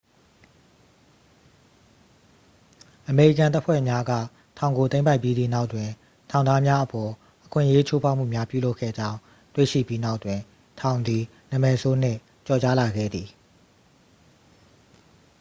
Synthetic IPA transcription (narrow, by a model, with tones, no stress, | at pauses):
ʔəme˨ɹḭ˦˨kã˨nt̪̬a˦pʰwɛ̰˦˨mja˦ɡä̰˦˨ | tʰã˨ʊ̃ŋɡo˨t̪ẽ˦ɪ̃mpa˦ɪpji˦d̪ðḭ˦˨na˦ʊʔtwɪ̃˨ | tʰã˨ʊ̃na˦mja˦ʔəpɔ˨ | ʔəkʰwɪ̰̃˦ʔje˦t͡ɕʰo˦pʰa˦ʊm̥ṵ˦˨mja˦pjṵ˦˨lo˦ʊkʰːɛ̰˦˨d͡ʑã˦ʊ̃ | twḛ˦˨ʃḭ˦˨pji˦na˦ʊʔtwɪ̃˨ | tʰã˨ʊ̃nd̪i˨ | nə˨mɛ˨sʰo˦n̥ɪ̰̃˦˨ | t͡ɕɔ˨t͡ɕa˦la˨ɡɛ̰˦˨d̪i˨